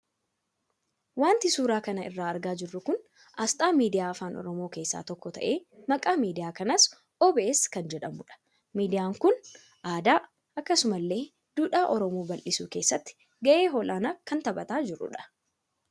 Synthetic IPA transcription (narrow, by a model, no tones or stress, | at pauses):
waːnt̪ɪsuːɾaːkɐnɐɪrːaːɐɾɡaːd͡ʒɪrːʊkʊn | ʔɐst̪ʼaːmiːd̪ɪjaːfaːnʔɔ̰ɾɔmoːke̞ːsːa̰ːt̪ɔkːɔt̪ɐ̰ʔeːmɐkʼaːmiːd̪ɪjaːkɐnɐs | ɔbɛʔeːskɐnd͡ʒɛᶑɐmʊᶑɐ̥ | miːd̪ɪjaːŋkʊn | ʔaːd̪aː | ɐkːɐsʊmɐlːe̞ː | d̪̥uːᶑaːʔɔɾɔmoːbɐlʔɪsṵːke̞ːsːɐt̪ːɪ̥ | ɡɐʔe̞ːɦɔːlʔaːnaːkɐnt̪ɐbɐt̪aːd͡ʒɪrːʊ̰ᶑɐ̥